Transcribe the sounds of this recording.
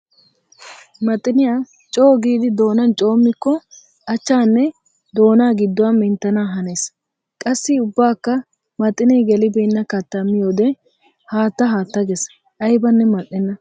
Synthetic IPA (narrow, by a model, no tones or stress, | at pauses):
mɐt̪ʼːɪnɪjaː | t͡ʃʼo̞ːɡiːd̪ɪd̪o̞ːnɐnt͡ʃʼo̞ːmːɪkːɔ | ʔɐt͡ʃːaːnːɛ | d̪o̞ːnaːɡɪd̪ːɔwamɪnt̪ːɐnaːɦɐne̞ːs | kʼɐsːɪʊbːaːkːɐ | mɐt̪ʼːɪnɛjɡɛlɪbɛnːɐkɐt̪ːɐmːɪjoːd̪ɛ | haːt̪ːɐɦaːt̪ːɐɡɛs | ʔɐjbɐnːɛmɐʔːɪnːɐ